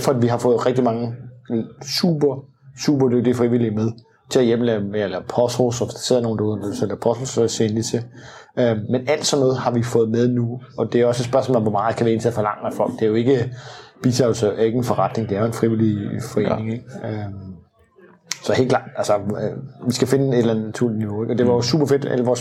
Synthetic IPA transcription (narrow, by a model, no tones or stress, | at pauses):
fɒ̽d̥ʋiɦɑ̈fɔ̽ːð̩ˠʁeɡ̥̚d̥imɑ̈ŋə | sṵb̥ɐ | sṵb̥ɐd̥øɡ̥̚d̥ifʁiʋil̰imeð̞ˠ | t͡sʰe̝læjem̰əlɛːelɐpʰɒsʁosɒsd̥ɑ̥se̝ð̰ˠno̝ːnd̥uðˠɐmed̥uslæpʰɒ̽sʁossenlisʰe | ʔømenæl̰d̥sɒ̽nːɔ̽ːð̩ˠhɑ̈ʋifɔ̽ːð̩ˠmeð̞ˠnuɒ̽d̥e̝æɒ̽səed̥sb̥ɶɐsmɔ̰ːlɒmʋɒ̽mɑ̈ːð̩ˠkʰæʋiæe̝nt͡sʰeæfɒ̽lɑ̈ŋ̰əmæfɒ̽l̰ɡ̥̚d̥eæjo̝e̝ɡ̥əb̥it͡sʰʁɛ̰ːlsɐæe̝ɡ̥n̩fɒʁɑd̥ne̝ŋd̥eæɐjo̝enfʁiʋilifɒ̽ḛːnene̝ŋeɡ̥ø | sɒ̽he̝̰ːlklɑ̈ːd̥ælsəʋisɡ̥æfe̝nəe̝d̥elæn̩næt͡sʰuɐ̰lidniʋo̝eɡ̥ɒ̽d̥e̝ʋɑ̈josṵːb̥ɐfe̝d̥æ̰ləʋɒːs